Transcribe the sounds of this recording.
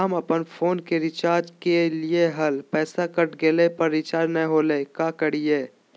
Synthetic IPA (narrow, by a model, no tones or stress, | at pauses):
əmɐpənfʰoːnkeɾɪt͡ʃaːɾd͡ʒkelieɦɐlpɛːsakɐʈɡeːlepɐɾːɪt͡ʃaːɾnɐ̃ɦoːlekaːkəɽ̤ijeː